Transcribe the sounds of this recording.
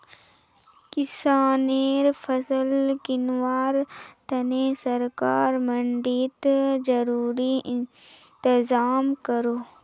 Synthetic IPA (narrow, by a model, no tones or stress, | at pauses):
kɪsaːneːɾfʰɐsəlkɪnwaːɾt̪ɐnesɐɾka̰ːɾmɐɳɖiːt̪d͡ʒɐɾuːɾiɪnt̪ɪzaːmkəɾoː